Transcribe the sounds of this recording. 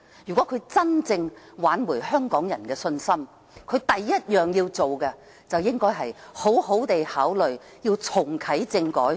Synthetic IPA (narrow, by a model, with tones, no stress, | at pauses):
jyː˨kɔː˨˥kʰɵ˨˧ɥt͡sɐ˥nt͡sɪ˧ŋ | waː˨˥nmuː˨˩hœː˥ŋkɔː˨˥ŋjɐ˨˩nkɛː˧sɵ˧nsɐ˥m | kʰɵ˨˧ɥt̪ɐ˨jːɐ˥t̚jœː˨˩ŋjiː˧wt͡so˨wkɛ˧ | t͡sɐ˨wjɪ˥ŋkɔː˥jɦɐ˨jho˨˥who˨˥wt̪e˨jhaː˨˥wlɵ˨ɥ | jiː˧wt͡sʰʊ˨˩ŋkʰɐ˨˥jt͡sɪ˧ŋkɔː˨˥j